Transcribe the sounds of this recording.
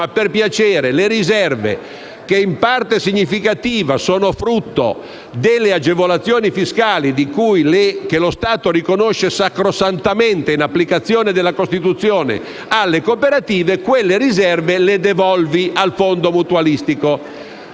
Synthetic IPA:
aperpjat͡ʃɛːɾeleɾizɛrvḛ | k̟eimpart̪esiɲːifikat̪iːvasoːnofɾut̪ːo̰ | d̪elːead͡ʒevolat̪sːjoːnifiskaːlid̪ikujlekelost̪aːt̪oɾikonoʃːesakɾosant̪ament̪einapːlikat̪sːjoːned̪elːakost̪it̪ut̪sːjoːnḛ | alːekopeɾat̪iːvekwelːeɾizɛrveled̪evɔlvialfond̪omut̪ualist̪iko

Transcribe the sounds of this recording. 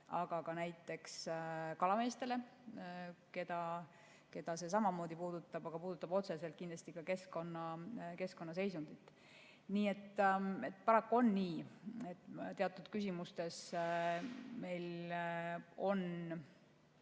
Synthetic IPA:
ɑɡ̥ɑkɑnæjt̪ːˑe̞kskɑlɑme̞ːst̪e̞le̞ | ke̞d̪̥ɑ | ke̞d̪̥ɑse̞s̬ɑmɑmo̞ːd̪ipuːd̪ut̪ːˑɑb̥ɑɡ̥ɑpuːd̪ut̪ːˑɑbo̞t̪se̞se̞lt̪kind̪lɑst̪ikɑke̞sko̞nːɑke̞sko̞nːɑs̬e̞jsund̪it̪ːˑ | niːe̞t̪ːe̞t̪ːˑpɑɾɑkːˑuo̞nːiːet̪ːˑt̪e̞ɑt̪ːˑud̪̥kys̬ʲimust̪e̞s | me̞jl | o̞n

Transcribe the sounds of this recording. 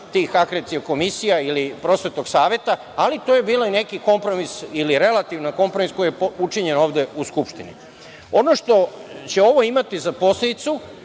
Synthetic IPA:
t̪iːxakɾet̪ioko̞misijailipɾo̞sʋe̞t̪o̞ɡ̥saːʋe̞t̪a | alit̪ojebiːloine̞kiko̞mpɾo̞misiliɾe̞lat̪iʋnako̞mpɾo̞misko̞ijeput͡ʂiɲe̞no̞ːʋd̪euskupʃt̪inḭ | o̞noʃt̪o̞t͡ɕe̞o̞ʋo̞imat̪izapo̞sled̪it̪su

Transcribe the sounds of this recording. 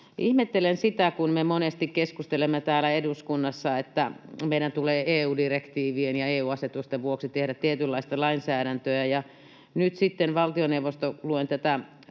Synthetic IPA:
ʔihmet̪ːelensit̪ækunmemonest̪ikkeskust̪elemːet̪æːlæeduskunːɑsːɑet̪ːæmeiɾænt̪uleːeːuːdirekt̪iːʋienjɑeːuːɑset̪ust̪eʋʋuoksit̪ehɾæt̪t̪iet̪ylːɑist̪ɑlɑinsæːɾænt̪øæjɑ | nyt̪sit̪ːenʋɑlt̪ioneuwʋost̪oluent̪æt̪æ

